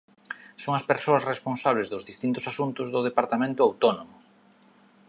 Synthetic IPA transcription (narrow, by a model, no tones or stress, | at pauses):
soŋɐspeɾsoɐsresponsaβlezðʊzðist̪int̪ʊsasunt̪ʊzðʊð̞epaɾt̪amẽnt̪ʊawt̪onomʊ